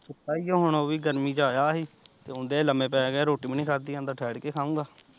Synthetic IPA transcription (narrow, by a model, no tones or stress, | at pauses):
sʰʊt̪ːaːiːjõːɦʊɳoːʋiːɡəɾmiːd͡ʒaːjaːɦiːt̪eːʊ̃nd̪eːləmẽːpɛːɡɛːɾoːʈiːməniːkʰaːd̪iːãnd̪aːʈʰɛːɽkeːkʰãːũːɡaː